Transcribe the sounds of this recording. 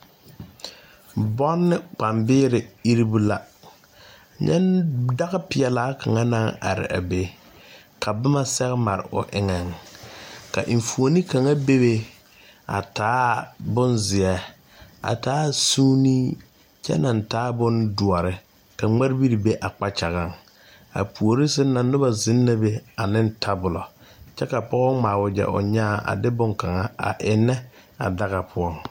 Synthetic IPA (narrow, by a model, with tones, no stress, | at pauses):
bɔ˦nːɪ˦k͡pa˨mbɪː˦ɾɪ˨i˦ɾi˦bu˦la˦˨ | ɲʔɛ̰˦nda˦ɣɪ˦pɪ˨ɛ˨laː˦kʰa˨ŋa˦na˦ŋa̰˨ɾɪ̰˨ʔa̰˨be˦ | kʰa˨bʊ˦ma˦sɛ˦ɣɪ˦ma˨ɾɪ̰˨ʔʊ̰˨ʔɪ˦ŋa˨ŋ | ka˨ʔɪ˨ɱ˨fu˨o˨ni˦ka˨ŋa˦be˦be˦ | a̰˨taː˨˦bʊ˦nzɪ˨ɛ˨ | a̰˨taː˨˦suː˦ni˦ | t͡ʃɛ̰˦na˨n˨taː˦bʊ˦ndʊ˨ɔ˨ɾɪ˦ | ka˨ŋ͡ma˦ɾbi˦ɾi˨be˦ʔa˨k͡pa˦t͡ʃa˨ɣa˦˨ŋ | a̰˨pu˨o˨ɾi˦sɪ˦na˨nʊ˦ba˦˨zɪ˦nːa˦be˦a˨nɪ˦ntʰa˦bʊ˨lɔ˨t͡ʃɛ˦ka˨pɔ˦ɣɔ˦ŋmaː˨wʊ˨d͡ʒɛ̰˨ʔʊ̰˨ɲa˦˨ʔa̰˨dɪ˦bʊ˦ŋka˨ŋa˦a̰˨ʔɪ˨nːɛ˦ | a̰˨da˦ɣa˨pʰʊ˦ɔ˦˨ŋ